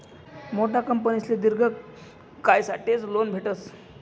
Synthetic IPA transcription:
moʈʰakəmpənisled̪iɾɡʱək | kːajsaʈet͡slonbʱeʈəs

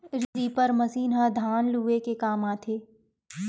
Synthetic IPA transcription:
ɾɾipəɾmɐsiːnɦad̪ʱaːnluːekekaːmaːt̪ʰeː

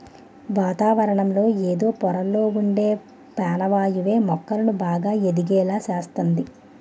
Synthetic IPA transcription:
ʋaːt̪aːʋɐɾɐɳɐmlo̞ːeːd̪o̞ːpɔɾɐlːo̞ːuɳɖe̞ː | paːnɐʋaːjuʋe̞ːmɔkːɐlɐnubaːɡaːed̪iɡɛːlaːsaːst̪ɐnd̪i

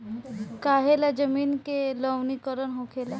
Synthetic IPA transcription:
kaːɦelad͡ʒɐmiːnkelɔʋnikəɾənɦõːkʰeːla

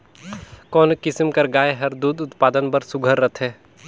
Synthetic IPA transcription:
kɔːnkɪsmkɐɾɡaːeɦɐɾd̪uːd̪ʊt̪paːd̪ənbɐɾsʊɡʱəɾːɐt̪ʰɦeː

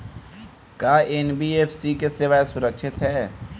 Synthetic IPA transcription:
kjaːenbiːeːfʰsikesɪʋaːesʊɾəkʃɪt̪ɦɛː

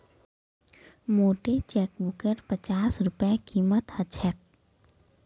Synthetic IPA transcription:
moːʈet͡ʃɛːkbʊkəɾpət͡ʃaːsɾʊpɛkiːmət̪hət͡ʃʰɛk̚

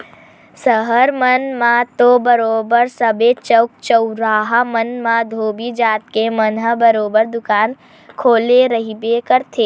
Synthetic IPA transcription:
səɦəɾmənmãt̪obəɾoːbəɾsəbet͡ʃəwk̚t͡ʃəʊɾaːɦamənmãd̪ʱoːbid͡ʒaːt̪̚kemənɦəbəɾoːbəɾd̪ʊkaːn | kʰoːleɾəɦibekəɾt̪ʰeː

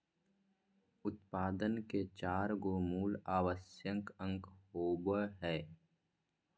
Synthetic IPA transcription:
ʊt̪̚paːd̪ənket͡ʃaːɾɡoːmuːlaːwəsjə̃ŋkə̃ŋkhoːbəɦɛː

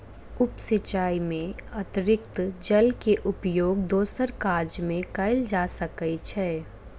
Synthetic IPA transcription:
ʊpsɪt͡ʃaːimẽɐt̪ɾɪkt̪d͡ʒɐlkeʔʊpjoːɡd̪oːsəɾkaːɾd͡ʒmẽkɐɪld͡ʒaːsəkəit͡ʃʰɛː

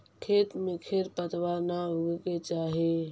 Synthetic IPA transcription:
kʰeːt̪mekʰeɾpət̪waɾnauɡket͡ʃaːɦi

